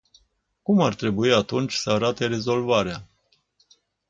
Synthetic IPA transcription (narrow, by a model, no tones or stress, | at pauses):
kumart̪ɾe̞buiat̪unt͡ʃʲsəaɾat̪e̞ɾe̞zo̞lvaɾea